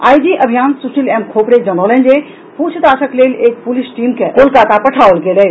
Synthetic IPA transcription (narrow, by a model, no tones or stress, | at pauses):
a̰ːidiʔɐbʱijaːnsuʃɪlɛːmkʰoːpɾed͡ʒənoːlẽnd͡ʒeː | puːt͡ʃʰd̪aːʃəkleːleːk̚pʊlɪʃʈiːmkekoːlkaːt̪apɐʈʰaːolɡeːlɐe